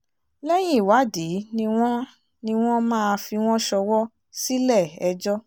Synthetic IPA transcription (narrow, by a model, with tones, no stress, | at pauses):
lɛ˦j̃ĩ˦˨wa˨˦˨de˨˦nĩ˧w̃ɔ̃˦ | nĩ˧w̃ɔ̃˦mãː˦˧fi˧w̃ɔ̃˦ʃɔ˧wɔ˦ | si˦lɛ˦˨ɛ˧d͡ʒɔ˦